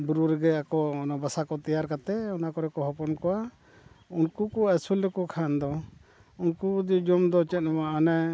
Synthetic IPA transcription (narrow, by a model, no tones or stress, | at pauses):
buɾuɾɛɡɛakɔnabasakɔt̪ijaɾkat̪ɛɔnakɔɾɛkɔɦɔpɔnkɔwa | unkukɔɛsulːɛkɔkʰand̪ɔ | unkud̪id͡ʒɔmd̪ɔt͡ʃɛt̪̚namaanɛ